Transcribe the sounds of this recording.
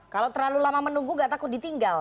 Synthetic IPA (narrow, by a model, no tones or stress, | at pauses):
kalawt̪ərlalulamamənuŋɡuŋɡat̪akʊdit̪iŋɡal